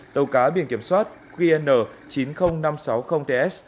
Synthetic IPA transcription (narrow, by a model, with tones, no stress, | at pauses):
t̪ə˨˩wkaː˨˦ɓḭ˧˩ənki˧˩mswaː˦˥t̚ | ki˧ʔɛ˧nːəː˧˩t͡ɕi˨˦nxə˧wŋ͡mna˧msa˨˦wxə˧wŋ͡mt̪e˧ʔɛ˦˥s